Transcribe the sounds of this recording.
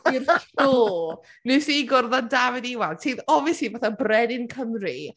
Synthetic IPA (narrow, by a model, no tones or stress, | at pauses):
irɬuː | nɨsiɡʊrðandavɪdɪwantʰiːðɔviəsivaθabrɛdɪnkʰəmri